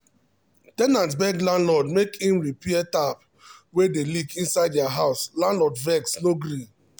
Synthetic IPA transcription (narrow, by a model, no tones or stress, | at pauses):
tɛnãntbɛɡlãnlɔdmekhĩmɹipiɛtap̚ | wedelikĩnsaɪddɛaɦaʊslãnlɔdvɛksnoɡɾi